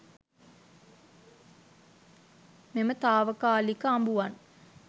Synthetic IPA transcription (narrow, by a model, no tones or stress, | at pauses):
memət̪aːʋəkaːlikəambuʋan